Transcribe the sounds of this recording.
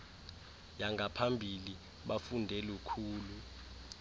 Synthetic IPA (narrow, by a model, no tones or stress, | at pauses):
jaŋɡʱapʰambʱili | ɓafundʱɛlukʰuːlu